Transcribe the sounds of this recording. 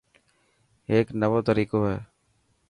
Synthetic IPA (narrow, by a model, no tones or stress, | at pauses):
eːknəʋoːt̪əɾiːkoːɦɛː